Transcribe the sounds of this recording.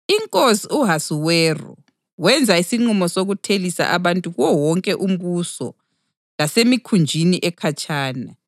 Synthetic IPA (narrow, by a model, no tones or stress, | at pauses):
iŋkʼosiuɦasuwɛːrɔ̰ | wɛnd͡zʱaisiŋ͡ǃumɔsoɣutʰelisa̰ʔaβantʼuɣwɔwɔŋkʼɛʔum̩βusɔ̰ | lasemikʰund͡ʒʱiniʔɛkʰat͡ʃʼaːna